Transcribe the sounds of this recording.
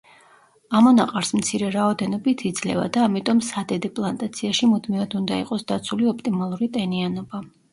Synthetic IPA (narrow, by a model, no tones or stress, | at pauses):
amɔnaqʼaɾsmt̪sʰiɾɛɾaɔd̪ɛnɔbit̪ʰid̪zlɛ̰va̰d̪aːmit̪ʼɔmsad̪ɛd̪ɛpʼlˠant̪ʼat̪sʰiaʃimud̪mivad̪und̪aḭqʼɔsd̪at̪sʰuliɔp̚ʰt̪ʼimalˠuɾit̪ʼɛnianɔba